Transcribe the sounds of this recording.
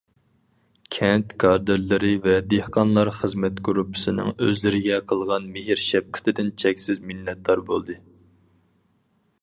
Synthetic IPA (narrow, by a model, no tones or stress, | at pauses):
kʲʰɛnt̪kʰɑɾd̪ɨɾlˠɨɾɨvɛd̪ehqɑnlˠɑɾχəzmɛt̪ɡɾupʰːɨ̥sɨnɨ̰ŋøzlɪɾɪɡʲɛqʰəlˠʁɑnmeɦiɾʃɛp̚kʰɪ̥t̪ʰɪd̪ɪnt͡ʃʰɛkʲsɪzmɪlːɛt̪̚ːɑɾbolˠd̪ɨ